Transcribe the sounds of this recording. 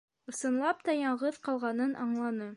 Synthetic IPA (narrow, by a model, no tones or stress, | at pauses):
ɤ̆sɤ̆nlˠɑp̚t̪ɑjɑɴʁɤðqɑlˠʁɑnɤnʔɑɴlˠɑnɤ